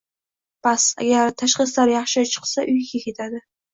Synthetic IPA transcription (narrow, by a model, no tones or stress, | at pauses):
pasa̰ɡʲaɾt̪ʰaʃχɨslaɾjɑχʃɪt͡ʃʰɨ̥qsaʔʊjkʲʰakʲʰe̞t̪ʰad̪ɪ